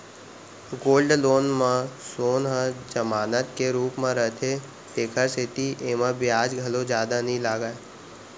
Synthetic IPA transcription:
ɡoːlɖloːnmãsoːnɦə̃d͡ʒəmaːnət̪keɾuːpmãɾəɦt̪ʰe | t̪eːkʰəɾset̪iʔeːmãbʱijaːd͡ʒɡʱɐlod͡ʒjaːd̪anĩlaːɡa

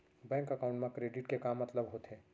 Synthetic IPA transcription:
bɛ̃ːŋkɐkaːʊ̃ɳʈmẽkɾeːɖɪʈkekaːmːɐt̪ləbɦoːt̪ɦeː

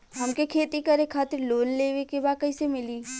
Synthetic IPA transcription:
ɦɐmkekʰeːt̪ikɐɾekʰːaːt̪ɪɾloːnleːʋekebaːkɐisemɪliː

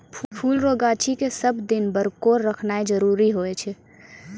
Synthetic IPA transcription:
ppʰuːlɾoːɡaːt͡ʃʰikesɐbd̪ɪnbəɾkoːɾːɐkʰnaːed͡ʒɐɾuːɾiɦoːet͡ʃʰɛ

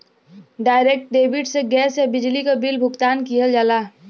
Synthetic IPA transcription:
ɖaːɪɾek̚ʈ̚ɖeːbɪɖseɡɛːsebɪd͡ʒlikabilbʱʊɡt̪aːnkiɦəld͡ʒaːlaː

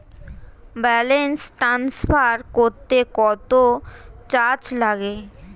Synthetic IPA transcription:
bɛlensʈɾansfaɾkoɾt̪ekɔt̪ot͡ɕaɾt͡ɕlaɡe

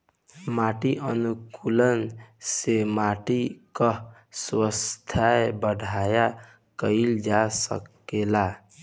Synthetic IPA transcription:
maʈiʔənukulənsemaʈikə | swəst̪ʰaebəɖʱaja | kəɪld͡ʒasə̰k | ela

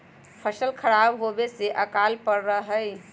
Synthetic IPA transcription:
pʰəsəlkʰəɾabɦobeseʔəkalpəɾɾəɦəj

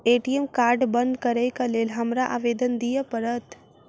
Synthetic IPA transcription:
eːʈijemkaːɾɖbənd̪kəɾekəleːlɦɐmɾaʔaːʋeːd̪ənd̪ijəpəɾət̪

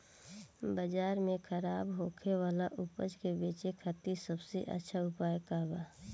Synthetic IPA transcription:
bəd͡ʒaːɾmẽkʰəɾaːbɦoːkʰewaːlaʔʊpə̰d͡ʒkebeːt͡ʃekʰət̪isəbsḛʔə̰tːʃʰaʊpaːjkaːbaː

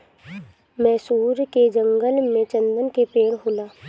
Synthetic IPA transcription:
mɛ̃ːsuːɾked͡ʒə̃ŋɡəlmẽt͡ʃə̃nd̪ənkepeːɽɦoːlaː

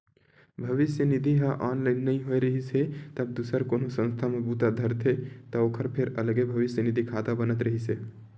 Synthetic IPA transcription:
bʱəʋisjənid̪ʱiɦãʔɔnlaɪnːəĩɦoeɾəɦisʰɛt̪əb̚d̪usəɾkonosə̃st̪ʰamebut̪ad̪ʱəɾt̪ʰet̪ɔokʰəɾpʰeɾələɡebʱəʋisjənid̪ʱikʰad̪abənət̪ɾəɦisʰɛ

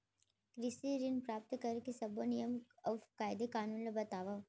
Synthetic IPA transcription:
kɾɪsiɾɪnpɾaːp̚t̪kɐɾkesɐbonijəmɔfkaːɪd̪ekaːnũːnlɐbɐt̪aːʋa

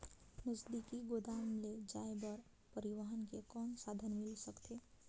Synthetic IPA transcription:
nəzd̪ikiɡoːd̪aːmled͡ʒaːebɔɾ | pəɾɪʋəɦənkekɔːnsaːd̪ʱənmɪlsəkt̪ʰeː

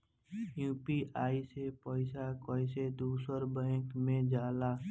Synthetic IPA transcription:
juːpiʔaːisepɔːɪsakoːɪsed̪uːsəɾbə̃ɪkmẽd͡ʒaːlaː

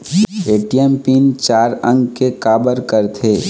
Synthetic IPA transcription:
eːʈijɛmpiːnt͡ʃaːɾə̃ŋɡkekaːbəɾkəɾt̪ʰeː

